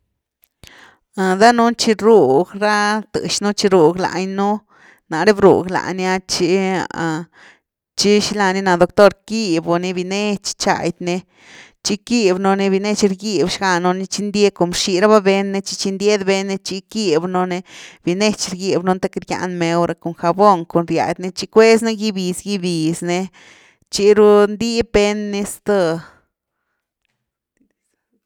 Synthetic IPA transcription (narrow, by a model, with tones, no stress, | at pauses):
a˧d̪a˦nu˦nt͡ʃi˧ɾu˧˨ɡɾa˦t̪ɨ̰˨ʃnu˦t͡ʃi˧ɾu˨ɡla̰˨˧˨ɲnu˦ | na˨ɾe˦bɾṵ˨ɡla̰˨nja˧t͡ʃi˧a̰˨ | t͡ʃi˦ʃi˧la˧ni˧˦na˧d̪o˧kt̪o˦ɾki˦˧bo˧ni˧bi˧ne˦t͡ʃt͡ʃa̰˨jd̪ne˧ | t͡ʃi˧ki˦bno˧ni˧bi˧ne˦t͡ʃɾɡi˦bʃɡa˧no˧ni˧t͡ʃi˧nd̪ʲe˦ko˨mʃi˧ɾa˦ba˦be˧nːe˧t͡ʃi˧t͡ʃi˧nd̪ʲe˦d̪be˧nːe˧t͡ʃi˧ki˦˧bno˧ne˧b̥i˨ne˦t͡ʃɾɡi˧bno˧nt̪e˦kɾja̰˧nme˧wɾʔa˧ko˨ŋxa˧bo˦˧ŋko˨nɾja̰˨˧jd̪ne˧t͡ʃi˧kwe˦s̬na˦ɡi˦bi˨sɡi˦bi˨sne˧ | t͡ʃi˧ɾu˦nd̪i˦be˦nːi˧st̪o˧